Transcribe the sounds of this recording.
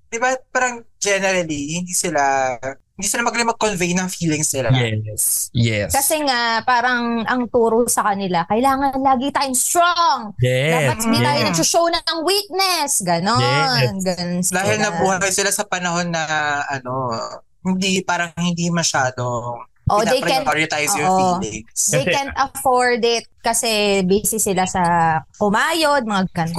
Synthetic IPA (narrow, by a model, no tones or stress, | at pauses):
d̪̥ɪbapaːɾɐŋd͡ʒɛnɛɾɐlihɪnd̪iːsɪlaɪnd̪iːsɪlamɐɡlɪmɐɡ̚konvejnɐŋfiːlɪŋsnɪlajjɛsjɛ̰skɐsɛŋaʔpaːɾɐŋɐŋt̪uːɾosɐkɐnɪlakɐɪlaːŋɐnlaːɡɪŋt̪aːjoŋst̪ɾoŋjɛd̪abɐtd̪it̪aːjonɐɡsoʃownɐɐŋwik̚nɛsɡɐnoɡɐnd̪aːɦɪlnɐbuːhɐkɐjsɪlasɐpɐnɐho̞nːɐʔɐno | hɪnd̪ipaːɾɐŋŋhɪnd̪imɐʃaːd̪o | ʔoʔ̪d̪ejpɾkɛnoɾɪt̪ajsjʊʔolɛdejkɛnt̪ɐfoɹd̪ɪt̪̚kɐsɛbɛːsɪsɪlasɐkʊmaːjod̪̚mɐŋaɡɐnk